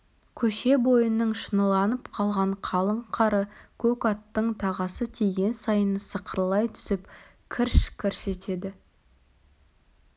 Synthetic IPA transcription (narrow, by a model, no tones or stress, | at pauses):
kʲʰɵʃe̞bo̞jənːəɴʃənəlˠɑnəpqʰɑlˠʁɑɴqʰɑlˠəɴqʰɑɾəkʰɵkɑt̪ːəɴt̪ʰɑʁɑsət̪ʰeɡʲe̞nsɑjənəsəqʰəɾlˠɑjt̪ʰʏ̥sɪpkʲʰɪɾʃkʲʰɪɾʃe̞t̪e̞d̪ɪ